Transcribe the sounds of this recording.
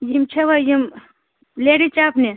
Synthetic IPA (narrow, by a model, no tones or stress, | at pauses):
jimt͡ʃʰɐʋajim | leɽit͡ʃaːpne